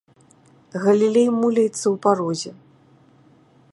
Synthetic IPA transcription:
ɣɐlʲilʲejmulʲɐjt̪sːɐwpaɾɔzʲɛ

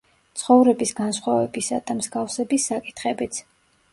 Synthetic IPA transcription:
t̪sʰχɔvɾɛbisɡansχwavɛbisad̪amzɡafsɛbisːakʼi̥t̪ʰχɛbit̪sʰ

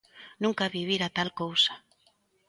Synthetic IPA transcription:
nũŋkaβiβ̞iɾat̪alkowsḁ

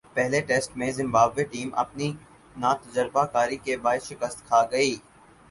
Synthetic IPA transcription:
pɛɦleʈeːsʈmẽzɪ̃mbaːbʋeʈiːmɐ̰pni | naːt̪ɐd͡ʒəɾbakaːɾikebaːɪʃɪkəst̪kʰaːɡɐiː

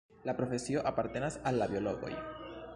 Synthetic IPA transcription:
lapɾo̞fe̞sioʔapaɾt̪enasalːaβjo̞loɣo̞̰j

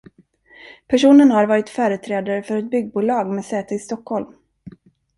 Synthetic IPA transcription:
pʰæʂuːnənhaɾvɑːɾɪt̪fœːɾət̪ʰɾɛːd̪aɾəfœɾɛt̪̚bʏɡːbuːlɑːɡmɛːsɛːt̪əɪst̪ɔkhɔlm

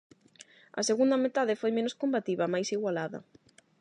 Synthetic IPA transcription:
ɐ̰seɣund̪ɐmet̪aðɪfojmẽnoskombat̪iβɐmajsiɣwalaðɐ̰

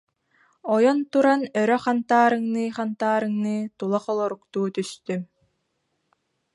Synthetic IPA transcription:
ɔjɔnt̪uɾanœɾœχant̪aːɾɯŋnɯχant̪aːɾɯŋnɯt̪ulˠaχɔlˠɔɾukt̪uːt̪yst̪ym

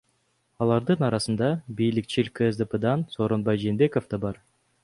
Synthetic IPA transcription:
ɑlˠɑɾd̪ɯnɑɾɑsɯnd̪ɑbijlikt͡ʃilʲkeezd̪əped̪ɑnsoːɾo̞nbɑjd͡ʒeːnbe̞ko̞fd̪ɑbɑɾ

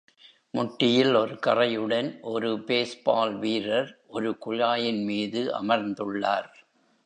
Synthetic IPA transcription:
mʊʈːɪjɪlɔɾɯkɐrɐjɯɽɐnʔɔɾɯbeːsbaːlʋiːɾɐɾʔɔɾɯkʊɻaːjɪnmiːðɯʔɐ̰mɐɾnd̪ɯɭːaːɾ

